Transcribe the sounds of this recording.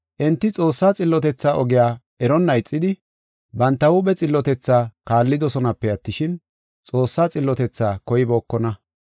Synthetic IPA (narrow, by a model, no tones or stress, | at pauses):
ʔɛnt̪ːɪt͡sʼo̞ːsːaːt͡sʼɪlːɔt̪ɛt͡sːaːʔɔɡɪjaː | ɛɾɔnːɐɪt͡sʼːɪd̪ɪ | bɐnt̪ːɐwʊbɛt͡sʼɪlːɔt̪ɛt͡sːaːkaːlːɪd̪ɔsɔnɐpːɛɐt̪ːɪʃɪn | t͡sʼo̞ːsːaːt͡sʼɪlːɔt̪ɛt͡sːaːkɔjɪboːkːɔnɐ